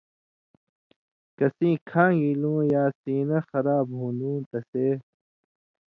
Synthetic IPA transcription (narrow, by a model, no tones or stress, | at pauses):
kɐsĩːkʰãːɡilũːjaːsiːnɐxɐɾaːbɦũːnd̪ũːt̪ɐseː